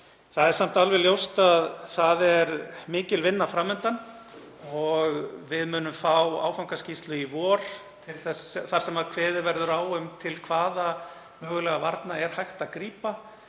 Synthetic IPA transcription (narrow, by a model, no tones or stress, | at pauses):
θaðɛɾ̥sam̥t̪alvɛljowst̪aðθaðɛɾmɪːcɪlvɪnːafɾaːmʏnt̪an | ɔɣvɪðmʏːnʏmfawa̰ːwfawŋkascist̪lʏivɔːɾ̥ | t̪ʰɪlθɛsθaɾ̥sɛmaðkʰvɛːðɪɾvɛɾðʏɾaːwʏmt̪ʰɪlkʰvaːða | mœːɣʏlɛɣavaɾt̪naɛɾ̥hajxt̪aðkɾiːpa